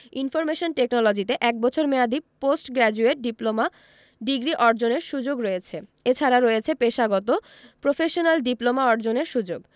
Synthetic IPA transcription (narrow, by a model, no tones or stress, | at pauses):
infɔɾmeʃonʈeknɔlod͡ʑit̪eʔɛk̚bɔt͡ɕʰoɾmead̪iposʈɡɾɛd͡ʑueʈ̚ɖiploma | ɖiɡɾiʔɔɾd͡ʑoneɾʃud͡ʑoɡɾoet͡ɕʰeet͡ɕʰaɾaɾoet͡ɕʰepeʃaɡɔt̪o | pɾofʰeʃonalɖiplomaɔɾd͡ʑoneɾʃud͡ʑoɡ